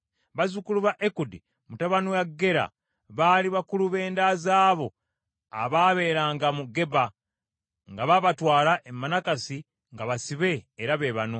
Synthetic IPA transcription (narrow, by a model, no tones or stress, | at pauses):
βazukuluβaʔekudi | mutaβanojaɡːe̞ɾa̰ | βaːliβakuluβe̞ːndazaːβo̞ | a̰βaːβe̞ɾaːŋɡamuɡe̞ba | ŋɡaβaβatwaːlaʔemːanakasi | ŋɡaβasiβe̞ːɾaβe̞βano̞